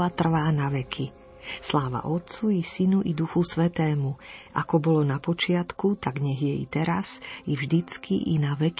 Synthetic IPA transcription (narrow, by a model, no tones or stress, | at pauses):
at̪r̩ʋaːnaʋɛkʰi | slaːʋa̰ʔɔt̪t͡suisinuʔid̪uxusʋɛt̪ɛːmuʔa̰kɔbɔlɔnapɔt͡ʃɪat̪kut̪aɡɲɛɣjɛḭt̪ɛɾasivʒd̪it͡skḭʔḭnaʋɛk